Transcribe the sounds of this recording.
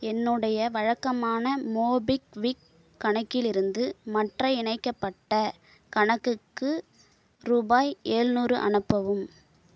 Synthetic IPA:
ɛnːɯɽɐjɐʋɐɻɐkːɐmaːnɐmoːbɪkʋikː | ɐɳɐkːɪlɪɾɯnd̪ɯmɐʈrɐɪɪɳɐɪkːɐpːɐʈːɐ | kɐɳɐkːɯkːɯ | ɾuːbaːjeːɻnuːrɯʔɐ̰ɳɯpːɐʋɯm

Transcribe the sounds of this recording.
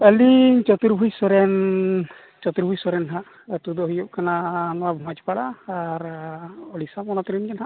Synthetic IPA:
ɛliɲt͡ʃɔt̪uɾbʱujsɔɾɛn | t͡ʃɔt̪uɾbʱujsɔɾɛnɦa | t̪ud̪ɔɦujɔʔ̚kananɔwabʱumat͡ʃpaɽaːɾɔlisapɔnɔt̪ɾinkɛnɦa

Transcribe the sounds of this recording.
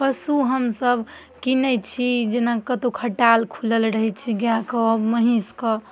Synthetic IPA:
pəsuɦəmsəb | kinət͡ʃʰid͡ʒenakət̪okʰəʈalkʰuləlɾəɦɛt͡ʃʰiɡjãkəməɦĩskə

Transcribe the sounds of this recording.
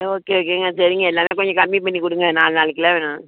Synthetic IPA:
oːkːeoːk̬eːŋɡɐsɐɾɪŋɡɐɛlːaːmeːkɔɲd͡ʒɔ̃kɐmːipɐɳːikʊɽɯŋɡɐnaːlnaːɭɯkːɪlɐːʋenã

